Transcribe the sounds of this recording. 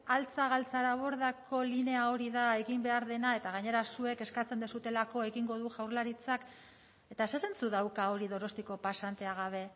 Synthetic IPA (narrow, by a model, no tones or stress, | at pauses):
alt͡saɣalt͡saɾaβo̞ɾðako̞line̞ao̞ɾiðae̞ɣimbe̞aɾðe̞nae̞t̪aɣaɲe̞ɾasue̞ke̞skat͡se̞nd̪esut̪e̞lako̞e̞ɣiŋɡo̞ðuʝawɾlaɾit͡sak | e̞t̪asese̞nt͡suðawkao̞ɾiðo̞ɾo̞st̪iko̞pasant̪e̞aɣaβ̞e̞